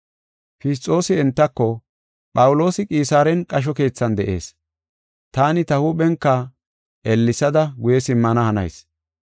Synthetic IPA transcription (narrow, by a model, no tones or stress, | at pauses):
fɪst̪ʼːo̞ːsɪɛnt̪ːɐkːɔ | pʼɐwʊlo̞ːsɪkʼiːsaːɾɛnkʼɐʃ̬ɔke̞ːt͡sːɐnd̪ɛʔe̞̰ːs | t̪aːnɪt̪ɐhuɓɛŋkːɐ | ʔɛlːɪsɐd̪ɐɡʊjɛsɪmːɐnɐhɐnɐ̰js